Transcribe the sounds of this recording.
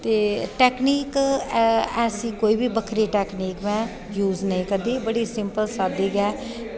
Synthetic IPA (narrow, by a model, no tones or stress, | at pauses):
t̪eːʈɛːkniːk | ɛːsĩːkoːiːbiːbəkʰɾiːʈɛːkniːkʋɛ̃ː | juːznəĩːkəd̪iːbəɽiːsɪ̃mpəlsaːd̪iːɡɛː